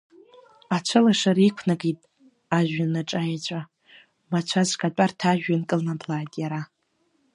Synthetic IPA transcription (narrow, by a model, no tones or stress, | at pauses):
at͡ʃʷʰɨlaʂaɾikʷʰnaɡitʼ | aʒᶣanaʈ͡ʂʼajat͡ɕʷʼa | mat͡ʃʷʰazkʼatʷʼartʰaʒᶣankʼɨlnablaːjtʼjaɾa